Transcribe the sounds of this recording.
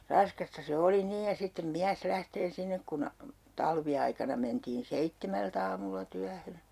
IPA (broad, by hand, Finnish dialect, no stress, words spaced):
rɑskɑstɑ se oli niːj jɑ sitːem miæs læhteː sinːek kun tɑlʋiɑikɑnɑ mentiːn seitːemælt ɑːmulːɑ tyæhø